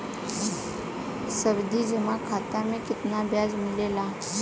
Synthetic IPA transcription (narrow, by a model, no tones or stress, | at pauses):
sɐbd̪ʱid͡ʒɪmakʰaːt̪amẽkɪt̪nabʱjaːzmɪleːlaː